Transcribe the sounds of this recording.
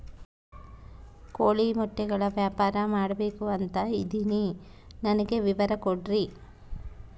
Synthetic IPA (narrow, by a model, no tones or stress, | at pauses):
koːɭimɔʈːɛɡɐɭɐʋjaːpaːɾɐmaːɽɐbeːkuɐnt̪ɐid̪ininɐnɐɡe̞ʋiʋɐɾɐkoɽɾi